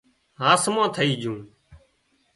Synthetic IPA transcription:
ɦaːsmãːt̪ʰəiːd͡ʒũː

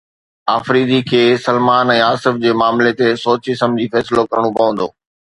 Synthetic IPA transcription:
aːfɾiːd̪ikʰeːsɐlmaːnɛ̃ːaːsɪfd͡ʑeːmaːmlet̪esoːt͡ɕisɐmd͡ʑʱifɛːsɪlokɐɾəɽ̃õpɐʋə̃nd̪oː

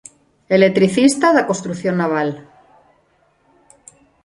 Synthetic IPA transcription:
elet̪ɾiθist̪aðakonst̪ɾuθjo̞nːaβ̞al

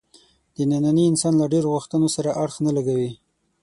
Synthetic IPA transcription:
d̪̥ənananiɪnsɑnlaɖeɾoɣuxt̪ənosaɾaʔaɽxnalaɡawi

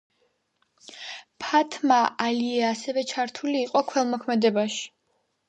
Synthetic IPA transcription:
pʰat̪ʰmaaliɛasɛvɛt͡ʃʰaɾt̪ʰuliːqʼɔkʰwɛlˠmɔkʰmɛd̪ɛbaʃi̥

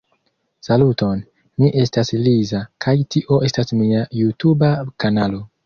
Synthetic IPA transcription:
saluto̞n | miʔe̞staslizakʰajtʰiʔo̞e̞stasmiajutubakanalo̞

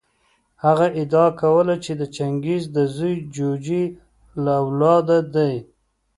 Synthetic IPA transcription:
haɣaʔɪd̪ɑkawəlat͡ʃed̪ət͡ʃaŋɡizd̪əzujd͡ʒod͡ʒi | laːwlɑd̪ad̪aj

